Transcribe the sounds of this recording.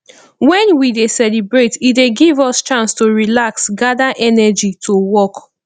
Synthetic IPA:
wɛ̃nwidesɛlibɹetideɡivɔst͡ʃãnstoɹilaksɡadaʔɛnɛd͡ʒitʰowɔk

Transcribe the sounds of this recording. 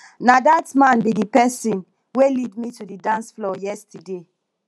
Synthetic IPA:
nadatmãnbidipɛsĩn | welidmitudidãnsflɔjɛstʰəde

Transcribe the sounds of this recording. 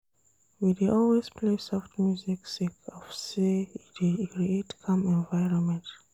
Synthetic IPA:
wideʔɔlwez̥pʰlesaʊftmjuziksikɔfseidekɹietkʰãmɛ̃nvaɪɹɔ̃nmɛ̃nt

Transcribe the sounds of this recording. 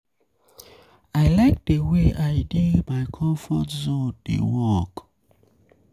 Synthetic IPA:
aɪlaɪk̚deweʔaɪdimaɪkʰɔ̃mfɔtzodḛwɔk

